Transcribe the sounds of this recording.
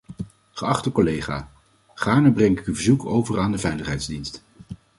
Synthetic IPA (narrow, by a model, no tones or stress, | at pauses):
χəɑχtəkɔlejχa̰ː | χaːɹnəbrɛŋɪkyvəɹzuko̰wvəraːndəvɛjləχɦɛjtzdinst